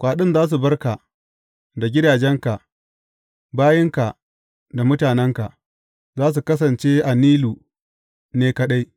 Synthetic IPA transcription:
kʷaː˨ɗɪ˦nzaː˦s̬u˨bɐ˦rka˨ | da˨ɡʲɪ˦daː˨d͡ʒɛ˦ŋka˨ | baː˦jɪ˦ŋka˨ | da˨mʊ˦taː˨nɛ˦ŋka˨ʔ | zaː˦s̬u˨kɐ˦s̬ɐ˨nt͡ʃe˦ʔa˨niː˦lu˨ | neː˦kɐ˦ɗa˦j

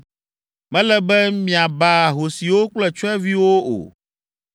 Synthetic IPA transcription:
mɛ̃˦lɛ˦bɛ˦mĩ˨a˨ba˦˨ɦo˨si˨wo˦k͡plɛ˦t͡ʃɔ˦ɛ˦vi˦wo˦o̰˨

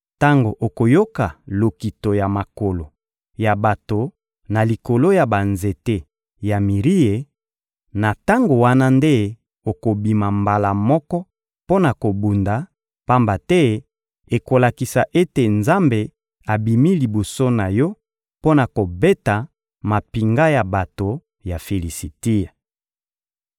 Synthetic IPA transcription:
ta˦ŋɡo˨ʔo˨ko˨jo˦ka˨lo˨ki˨to˨ja˨ma˨ko˨lo˨ | ja˨ba˨to˨ | na˨li˨ko˨lo˦ja˨ba˨nze˨te˦ | ja˨mi˨ʁi˦e˨ | na˨ta˦ŋɡo˨wa˦na˦nde˦ | o˨ko˨bi˨ma˨mba˨la˨mɔ˦kɔ˦ | po˦na˨ko˨bu˨nda˨ | pa˦mba˨tɛ˦ | e˨ko˨la˨ki˨sa˨ʔe˦te˨nza˦mbe˨ | a˨bi˨mi˦li˨bo˨so˦na˨jɔ˦ | po˦na˨ko˨be˦ta˨ | ma˨pi˨ŋɡa˦ja˨ba˨to˨ | ja˨fe˨li˨si˨ti˦a˨

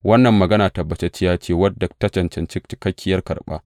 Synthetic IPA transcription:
wɐ˦nːɐ˨mːɐ˨ɡɐ˦naː˨tɐ˨bːɐ˨˦t͡ʃe˦t͡ʃɪ˦jaː˦t͡ʃeː˦wɐ˦dɐ˨k̚tɐ˦t͡ʃɐ˨nt͡ʃɐ˨nt͡ʃɪ˦kt͡ʃɪ̥˦kɐ˦kʲːɪ˦jɐ˦rkɐ̰˨rɓa̰ː˦

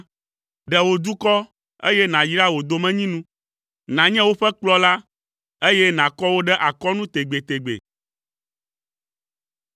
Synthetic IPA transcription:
ɖɛ˨wo˨d̪u˦kɔ˦ | ḛ˦jɛ˦nã˨ji˦ɖa˦wo˨d̪o˨mɛ̃˦ɲĩ˦nũ˦ | nã˨ɲɛ̃˦wo˦ɸɛ˦k͡plɔ˦la˦ | e˦jɛ˦nã˨kɔ˦wo˦ɖɛ˦ʔa˨kɔ˦nũ˦t̪e˨ɡ͡be˨t̪e˨ɡ͡bḛ˨

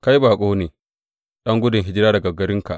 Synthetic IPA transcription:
ka˦jbaː˨kʷʼoː˦neː˨ | ɗɐ˦ŋɡʷʊ˦dɪ˨ŋɦɪ˦d͡ʒɪ˦ɾaː˦dɐ˨ɡɐ˨ɡɐ˦ɾɪ˦ŋka̰˨ʔ

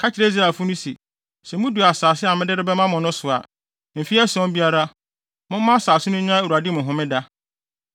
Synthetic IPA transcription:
kʰa˦t͡ɕʰɪ˨ɾe˦i˦zɾa˨fʊ˦nʊ̃˦sḭ˨ | sɛ˨mʊ̃˦du˨a˨saː˨sɪ˦a˨mɪ̃˦dɪ˦ɾɪ˦bɛ˦mã˦mʊ̃˨nʊ̃˦sʊ˨a̰˨ | m̩˨fi˦æ˦sɔ̃˦m˦bi˦a˦ɾa˦ | mʊ̃˦m˦mã˦saː˨sʊ˦nʊ̃˦ɲ˦ã˦e˦˨u˨a˨dɪ˦mʊ̃˨ɦʊ̃˦mɪ̃˦da˦

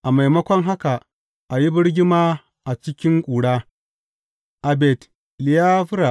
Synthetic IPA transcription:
ʔa˨ma˨jmɐ˦kʷɔ˦ŋɦa˦ka˨ | ʔa˨ji˦bɪ˦ɽɡʲɪ˦maː˦ | ʔa˨t͡ʃɪ˦kʲɪ˦ŋkʷʼuː˨ɽaː˦ | ʔa˨bɛ˨t | lɪ˨jaː˦ɸʊ˦ɾa˨ʔ

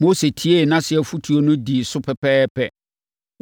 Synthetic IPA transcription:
mo˦se˨tʰi˦e˦˨nã˦sɪ˨ɛ˨fu˦tʰu˨o˦nʊ̃˦di˨sʊ˦pʰɛ˨pʰɛː˦pʰɛ˦

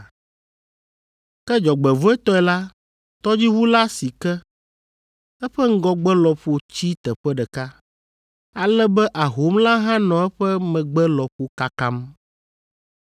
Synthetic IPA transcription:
kɛ˦d͡ʒɔ˨ɡ͡bɛ˨vo˦ɛ˦t̪ɔ˦ɛ˨la˦ | t̪ɔ˦d͡ʑi˦wu˦la˦si˨kɛ˦ | ɛ˦ɸɛ˦ŋ̩˦ɡɔ˦ɡ͡bɛ˦lɔ˨ɸo˦t͡ɕi˦t̪ɛ˨ɸɛ˦ɖɛ˨ka˦ | a˨lɛ˦bɛ˦ʔa˨ɦo˨˦mla˦ɦã˦nɔ̃˨ɛ˦ɸɛ˦mɛ̃˨ɡ͡bɛ˦lɔ˨ɸo˦ka˦ka˦m

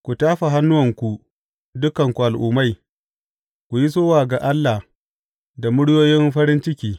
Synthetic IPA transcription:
kʷu˨taː˦ɸa˨ɦa˦nːʊ˦wɐ˨ŋkʷu˨ | dʊ˦kɐ˨ŋkʷu˨ʔa˨lʔuː˨ma˦˨j | kʷu˨ji˦s̬oː˦waː˨ɡa˨ʔa˦lːa˨h | da˨mʊ˦ɽjoː˦jɪ˦mɸɐ˦ɾɪ˦nt͡ʃɪ˦kʲiː˦

